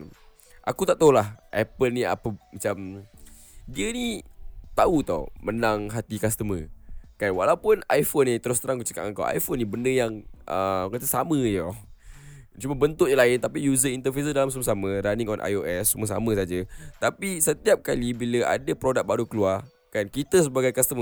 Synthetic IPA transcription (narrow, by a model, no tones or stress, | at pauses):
ʔa̰kut̪aʔt̪əulahʔɛpəlnia̰pəmat͡ʃam | diənit̪aut̪ɔ̰mənaŋɦat̪ikast̪əməkanwalaupʊnajfonit̪əɾʊst̪əɾaŋkut͡ʃə̥ka̰ʔaŋka̰wʔa̰jfonːibəndəjaŋʔəkat̪əsamə̃jo | t͡ʃuməbənt̪ʊʔjalaɪnt̪apijuzəint̪əfisədalams̬uməs̬amə̃ɾaniŋɔnʔa̰joʔɛsːuməsa̰mə̃s̬ad͡ʒət̪apisət̪iap̚kalibiləʔa̰dəpɾodak̚baɾukəluar | kankit̪əs̬əbaɡajkast̪əmə